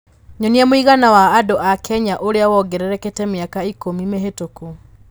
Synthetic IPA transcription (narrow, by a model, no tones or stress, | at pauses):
ɲɔniamoiɣanawaːdoʔakʰɛɲaʔoɾeawɔɡɛɾɛɾɛketɛmeakaikomimeɦetoku